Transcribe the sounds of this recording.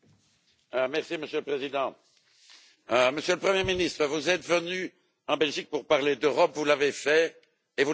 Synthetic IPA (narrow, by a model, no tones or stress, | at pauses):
mɛʁsiməsjøləpχezid̪ɑ̃ | məsjøləpχəmjeminist̪χəvuzɛt̪vəny | ɑ̃bɛlʒik̚puʁpaʁled̪øʁɔpvulavefɛ | evu